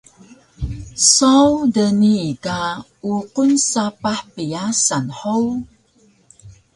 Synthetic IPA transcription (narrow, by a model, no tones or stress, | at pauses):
sawdəniːka | uqunsapaħpəjasanħow